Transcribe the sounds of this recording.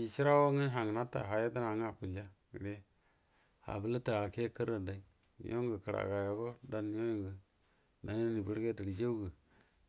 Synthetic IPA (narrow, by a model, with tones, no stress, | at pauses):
i˨t͡ʃi˦ɾa˦wo˦ŋe˦ɦa˨ŋ˨na˦ta̰˨ɦa˨ja˦ta˦na˨˦ŋ˦a˨ku˨la˦˨ | ɾe˦ | ha̰˨bə˦lə˦ta˨a˨ke˦kə˦ɾa˨da˨i˦ | n̰˦jo˦ŋɡə˨kə˨ɾa̰˨ka˨jo˨ɡo˦da˦n˦jo˦jŋɡə˨ | na˨ne˦ni˨bə˦ɾɡe˦ta˨ɾi˨d͡ʒe˦u˦ɡə˨